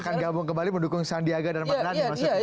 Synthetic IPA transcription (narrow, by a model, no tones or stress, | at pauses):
kanɡabʊŋkəmbaliməndukʊŋsandiaɡadaɾimalanmas